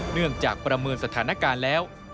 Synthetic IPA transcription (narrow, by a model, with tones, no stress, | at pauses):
nɯ˥˩əŋt͡ɕaː˨˩k̚pɾa˧mɤː˧nsa˧t̪ʰaː˩˦na˦˥˩kaː˧nlɛː˦˥w